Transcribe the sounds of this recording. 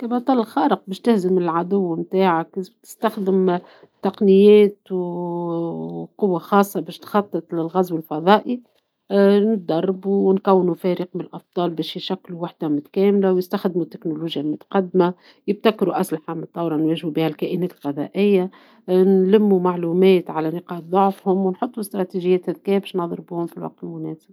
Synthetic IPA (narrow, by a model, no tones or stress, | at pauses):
kabɑt̪ˤɑːlɪlxɑːɾɪq̚bɛːʃt̪ɪhzɪmɪlʕad̪ʊwːmt̪aːʕakt̪ɪ̥st̪axd̪ɪm | t̪ɑqnɪjːɛːt̪w | qʊwːaxɑːsˤːɑbɛːʃt̪xɑt̪ˤːɨt̪ˤlɪlɣæzwɪlfɑðˤɑːʔi | nɪt̪̚d̪ɑrˤːbuwnkæwːnufɛːɾəq̚mɪnlʔɑfd̪ˤɑːlbɛːʃjʃækːluwaħd̪̥amʊt̪kɛːmlawjɪst̪axd̪mut̪ːɪknoluːʒjalmʊt̪ḁqɑd̪ːma | jɪb̚t̪ækɾuʔæslaħamt̪ˤːɑwɾˤɑnwɛːʒhubiːhælkæːʔɪnɛːt̪lɣɑðˤɑ̰ʔɪjːa | nlɪmːumaʕluːmɛːt̪ʕalænɪqɑːt̪ðˤʊʕfhʊmwnħot̪ˤːust̪ɾˤɑt̪iʒɪjːɛːt̪hæðkɛːbɛʃnɑðˤɾbuːhʊmfilwɑ̰q̚t̪ɪlmʊnɛːsɪb̥̚